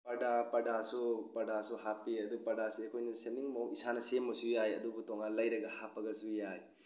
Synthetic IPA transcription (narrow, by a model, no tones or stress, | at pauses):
pɐdapɐdasupɐdasuɦapiɐd̪upɐdasiɐkʰojnɐsemiŋmwisanɐsemːɐsujajɐ̰d̪ubutoŋanlɐjɾɐɡɐhapɐɡɐsujaj